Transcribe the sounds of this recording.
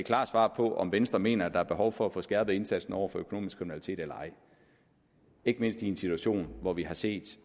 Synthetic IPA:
ekʰlɑ̰̈ːsʋɑ̰̈ːpʰɒ̽ʔɒ̽mʋensd̥ʁɐme̝̰ːnɐæd̥ɑ̈æɐb̥e̝ɦɒʊfɒ̽æfɔ̽sɡ̥æɐb̥ð̩ˠe̝nsæd̥sn̩ɒʊ̰ɐfɒ̽økʰo̝no̝̰ːmisɡ̥ʰʁiminælit͡sʰe̝̰ːd̥elɐɑ̈ɪ | e̝ɡ̥əme̝n̰sd̥iensit͡sʰuæɕo̝̰ːnʋɒʋiɦɑ̈se̝̰ːd̥

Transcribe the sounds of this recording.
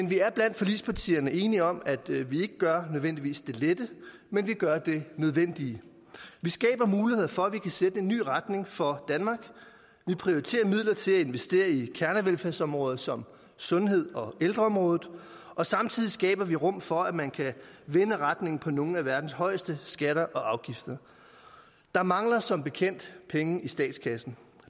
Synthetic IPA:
menʋiæɐb̥læn̰d̥fɒ̽liːspʰɑ̈t͡sʰḭːɐnəʔe̝ːniɒ̽mæd̥ʋie̝ɡ̥əɡ̥ɶɐnøðˠen̰d̥iʋḭːsd̥e̝led̥əmenʋiɡ̥ɶɐd̥e̝nøð̞ˠʋen̰d̥i | ʋisɡ̥ɛ̰ːb̥ɐmuːlihe̝ð̰ˠfɒ̽æʋikʰæsed̥əe̝nːy̰ːʁad̥ne̝ŋfɒ̽d̥ænmɑ̈ːɡ̥ | ʋipʰʁioit͡sʰe̝̰ːɐmið̞̰ˠlɐt͡sʰe̝læe̝nʋesd̥e̝̰ːɐikʰæɐnəʋelfæɐsɒ̽mʁɔ̽ːð̞̩ˠsɒ̽m | sɔ̽nɦe̝ð̞̰ˠɒ̽eld̥ʁɐɒ̽mʁɔ̽ːð̩ˠ | ɒ̽sɑ̈mt͡sʰið̰ˠisɡ̥ɛ̰ːb̥ɐʋiʁɔ̽m̰fɒ̽æmænkʰæʋe̝nəʁɑd̥ne̝ŋn̩pʰɒ̽no̝ːŋ̩æʋæɐd̥n̩shɒ̽ɪsd̥əsɡ̥æɾɐʔɒ̽ʔɑ̈ʊɡ̥ifd̥ɐ | d̥ɑ̈mɑ̈ŋlɐsɒ̽mb̥e̝kʰen̰d̥pʰeŋəisd̥ɛ̰ːd̥skʰæsn̩

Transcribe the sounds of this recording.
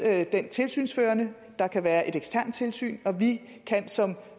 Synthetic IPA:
d̥ent͡sʰe̝lsy̰ːnsføːɐnə | d̥ɑ̈kʰæʋæːɐʔe̝ɾ̥eɡ̥sd̥ʰæɐ̰n̥̚t͡sʰe̝lsy̰ːnɒ̽ʋi | kʰænsɒ̽m

